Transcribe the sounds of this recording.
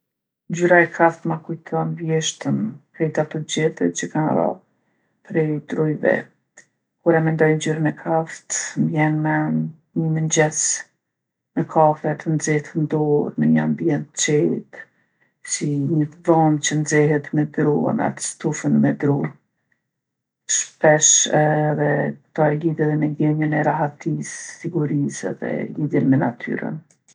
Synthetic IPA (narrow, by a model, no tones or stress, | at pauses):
ɲd͡ʑyɾaɛkʰaft̪makujt̪ʰɔnvjɛʃt̪əmpɾɛjt̪at̪ɔd͡ʑɛθət͡ɕəkan̰ɾɔ̰ | pɾɛd̪ɾujvɛ̰ | kuɾɛmɛnd̪ɔjnd͡ʑyɾənɛkʰaft̪mbjɛnmɛ | ɲəməɲd͡ʑɛs | mɛkʰafɛt̪ənd͡zɛht̪ənd̪ɔɾməɲəa̰mbiɛnt̪t͡ʃɛt̪ | siɲəðɔnt͡ɕənd͡zɛɦɛt̪mɛd̪ɾṵna̰t̪st̪ufənmɛd̪ɾu | ʃpɛʃɛðɛt̪aliðjɛðɛmɛɡɛɲənɛɾaɦat̪isːiɡuɾisɛ̰ðɛ̰liðjɛnmɛnat̪ʰy̰ɾə̰n